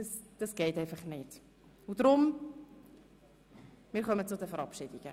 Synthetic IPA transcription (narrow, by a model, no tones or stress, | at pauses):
ɑsd̥ɑsɡ̥ɛɪtɛɪfɑχnɪt | ʊd̥ɾʊm | mɪːɾχœmət͡sʊdəfɛɾɑpʃɪdiɡ̥ə